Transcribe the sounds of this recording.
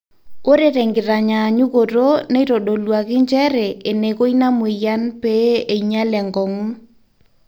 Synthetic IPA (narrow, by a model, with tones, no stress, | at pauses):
o˦ɾe˦ɾɛ˨ŋɡɪ˨ɾa˨ɲa˨ɲu˦ɣo˨ɾo˦ne˦i˦ɾo˨ɗo˨lwa˨ɣɪ˦ɲt͡ʃɛ˦ɾɛ˨ʔe˨ne˨ko˦i˦na˦me˨ja˦npɛ˦e˨iɲa˦lɛ˨ŋɡɔ˨ŋu˦